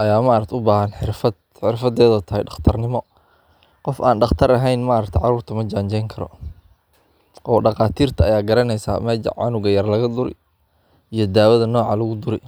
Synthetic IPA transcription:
ʔɐjaːmɐʔɐɾɐkt̪ʰɛʊbaːɦɐnħɪrfɐd̪̚ | ħɪrfɐd̪ɛːðɐt̪ʰɐɦɛjɖɑχt̪ʰɐrnɪmɔ | qɔfaːnɖɑχt̪ʰɐɾɐɦɛjnmaɾɐkt̪ʰɛʕɑɾuːrt̪ʰɐmɐd͡ʒaːɲt͡ʃɛjŋkʰɐɾɔ̰ | ʔɔːɖɑqaːt̪ʰiːrt̪ʰɐɐjaːɡɐɾɐnɛjsa̰ːmɛ̰ʕɑ̰nʊɣɐjɐrlɐɣɐd̪ʊɾɛ̰j | ijɞd̪aːwɐðɐnɔːʕɑlɐɣʊd̪ʊɾɛj

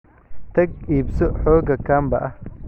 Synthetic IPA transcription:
t̪ʰɐɡiːbsɔħɔːɡɐkʰaːmbɐʔɐh

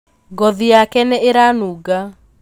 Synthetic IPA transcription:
ɡɔðijakɛnɛeɾanuːɡa

